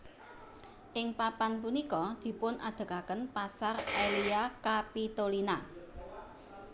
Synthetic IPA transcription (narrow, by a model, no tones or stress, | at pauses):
ʔɪŋpapanp̬unikɔd̪̥i̤pʊnʔa̰d̪̥ə̤kakənpasareliakapit̪olina